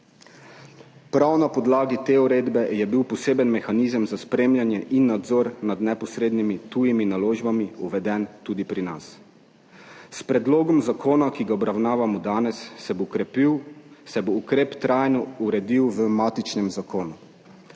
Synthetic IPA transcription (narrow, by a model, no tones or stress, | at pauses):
pɾawnapɔd̪laːɡit̪eːuɾeːd̪bɛjɛbiwpɔseːbənmɛxaniːzəmzaspɾeːmlʲjanjɛʔinːad̪zɔːɾnad̪nɛpɔsɾeːd̪nimit̪uːjiminaloːʒbamiuʋɛd̪ɛnt̪uːd̪ipɾinas | spɾɛd̪loːɡɔmzakoːnakiɡaɔbɾawnaːʋamɔd̪aːnɛsːɛbokɾɛpiwsɛboukɾeːpt̪ɾajnɔuɾɛd̪iwʋəmaːt̪it͡ʃnɛmzakoːnu